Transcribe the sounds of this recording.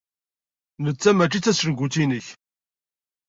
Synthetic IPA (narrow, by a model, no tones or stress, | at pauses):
nət͡sːæmæt͡ʃːit͡sːæsəɾɡʷut̪inəç